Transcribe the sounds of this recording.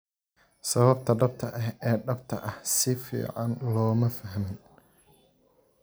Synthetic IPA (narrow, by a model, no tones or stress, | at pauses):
sɐβɐbt̪ʰɐɖɐb̚t̪ʰɐʔɐɦɛːɖɐbt̪ʰɐ̰ʔɐhsɪfḭːʕɑnlɔːmɐfɐɦmɪn